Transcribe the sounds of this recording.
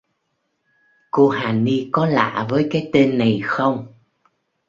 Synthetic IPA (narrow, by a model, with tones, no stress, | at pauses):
ko˧haː˨˩ni˧kɔ˨˦la̰ː˧˨vəː˨˦jkaː˨˦jt̪e˧nːa˨˩jxə˧wŋ͡m